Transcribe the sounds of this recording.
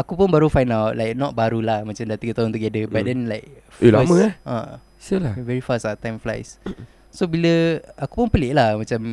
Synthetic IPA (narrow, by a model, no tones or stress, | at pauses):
akupʊnbaɾufajnawt̚lajk̚nɔt̪̚baɾulahmãt͡ʃamdaʔt̪iɡət̪aʊ̃nt̪uɡɛdəbat̚dɛnlajk̚ | ilaməaa̰ | səlavɛɹifasat̪ãjmfla̰js | sobiləaku̥pʊnpəlɪʔlahmat͡ʃam